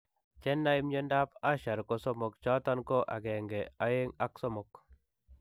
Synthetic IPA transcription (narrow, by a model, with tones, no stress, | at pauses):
t͡ʃɛ˦nːa˦i˦mɲo˦nda˦pa˦ʃa˨ɾko˦sɔ˦mɔ˨kt͡ʃɔ˦tɔ˦nko˦ʔa̰˨ɡɛ˨ŋɡɛ˨a˦je˦ŋa˦ksɔ˦mɔ˨k